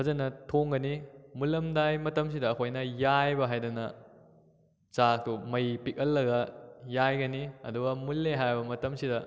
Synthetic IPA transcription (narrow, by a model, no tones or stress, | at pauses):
pʰɐzɐnɐtʰoŋɡɐnimulɐmdajmɐtɐms̬idɐːkʰojnɐjajbɐɦajdɐnɐ | t͡ʃak̚tumɐjpikɐlːɐɡɐjajɡɐniɐ̰duɡɐmulːeɦajbɐmɐtɐmsidɐ